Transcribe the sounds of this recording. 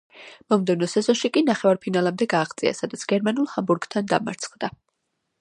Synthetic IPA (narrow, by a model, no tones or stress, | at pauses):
mɔmd̪ɛvnɔsɛzɔnʃikʼinaχɛvaɾpʰinalamd̪ɛɡaːʁd̪sʼḭa̰sad̪at̪sʰɡ̥ɛɾmanulˠhambuɾɡt̪ʰand̪a̰ma̰ɾt̪sʰχd̪a